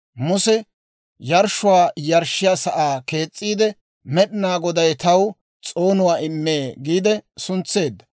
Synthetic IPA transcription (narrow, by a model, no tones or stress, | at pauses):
mʊsɛ | jɐɾʃʊwaːjɐɾʃːɪjaːsɐʔaːke̞ːt͡sʼːiːd̪ɛ | mɛɗɪnaːɡɔd̪ɐjt̪ɐw | t͡sʼo̞ːnʊwaːɪmːeːɡiːd̪ɛsʊnt͡sːe̞ːd̪ːɐ̥